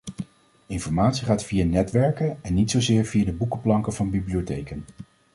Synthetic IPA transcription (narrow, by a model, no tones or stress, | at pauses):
ɪnfɔɹmaːtsiχaːtfijaːnɛtʋɛɹkənɛnːitsowzɪːɹviaːdəbukəplɑŋkəv̥ɑnbibliotejkən